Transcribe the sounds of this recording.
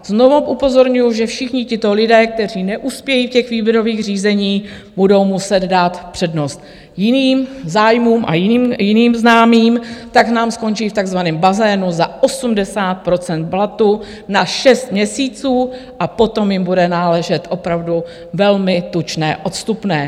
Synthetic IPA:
znovuʔupo̞zo̞ɾɲujuʒɛfʃɪxɲɪcɪt̪o̞lɪdɛːk̚t̪ɛr̝iːnɛʔuspjɛjiːfcɛxviːbjɛɾo̞viːɣr̝iːzɛɲiː | budo̞wmusɛd̪daːt̪pr̝̥ɛdno̞st̪ | jɪniːmzaːjmuːmʔa̰jɪmjɪniːmznaːmiːmt̪aknaːmsko̞nt͡ʃiːft̪aɡzvanɛːmbazɛːnuzaʔo̞sumdɛsaːt̪̚pɾo̞t͡sɛnt̪̚blat̪u | naʃɛst̪̚mɲɛsiːt͡suː | ʔapo̞t̪o̞mjɪmbudɛnaːlɛʒɛt̪ʔo̞pɾavdu | vɛlmɪt̪ut͡ʃnɛ̰ːʔo̞t̪st̪upnɛː

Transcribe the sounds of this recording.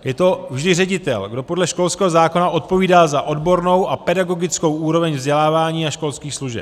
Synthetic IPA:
jɛt̪o̞vʒdɪrɛɟɪt̪ɛ̰lɡdo̞po̞dlɛʃko̞lskɛːɦozaːko̞naʔo̞t̪̚po̞viːdaːzaʔo̞dbo̞ɾno̞wʔapɛdaɡo̞ɡɪt͡sko̞wʔuːɾo̞vɛɲvzɟɛlaːvaːɲiːaʃko̞lskiːxsluʒɛ̰p

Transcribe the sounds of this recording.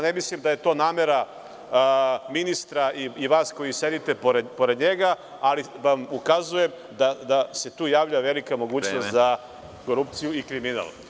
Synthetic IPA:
ne̞mislimd̪ajet̪o̞ːnaːme̞ɾa | minist̪ɾaʔiiʋaːsko̞jise̞d̪it̪e̞poɾepo̞ɾed̪ɲe̞ɡa | aliʋamukazuje̞m | d̪ad̪ase̞t̪uːjaːʋʎaʋe̞likamo̞ɡuːt͡ʃnost̪za | ko̞ɾup̚t̪sijuikɾimina̰l

